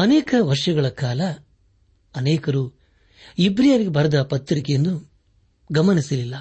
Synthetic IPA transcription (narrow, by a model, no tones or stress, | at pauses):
ɐneːkɐʋɐɾʂɐɡɐɭɐkaːlɐ | ɐneːkɐɾuː | ibɾijaːʋiɡebʱɐɾɐd̪ɐpɐt̪ːɾikejend̪u | ɡɐmɐnisɐlilːɐ